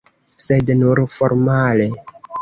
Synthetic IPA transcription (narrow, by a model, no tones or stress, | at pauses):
sednuɾfoɾmale